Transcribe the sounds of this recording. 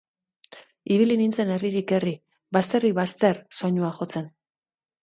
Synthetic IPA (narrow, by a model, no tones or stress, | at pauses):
iβilinint͡se̞ne̞riɾike̞ri | bast̪e̞riβast̪e̞rso̞ɲuaxo̞t͡se̞n